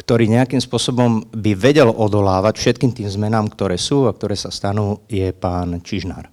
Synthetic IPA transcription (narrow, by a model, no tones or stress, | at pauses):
kt̪ɔɾiːɲɛakimspʊɔsɔbɔmbiʋɛɟɛlɔd̪ɔlaːʋacfʃɛt̪kiːmt̪iːmzmɛnaːmkt̪ɔɾɛːsuːak̚t̪ɔɾɛːsast̪anuːjɛpaːnt͡ʃiʒna̰ːɾ